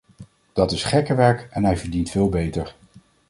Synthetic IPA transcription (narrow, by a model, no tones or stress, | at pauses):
d̥ɑtɪsχɛkəʋɛɹkɛnɦɛjvəɹdintfɪːlˠbejtəɹ